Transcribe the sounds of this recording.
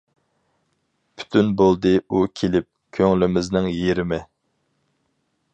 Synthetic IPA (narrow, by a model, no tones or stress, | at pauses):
pʰy̥t̪ʰynbolˠd̪ɨukʲʰelɪp̚kʲʰøŋlɪmɪznɪŋjeɾɪmɪ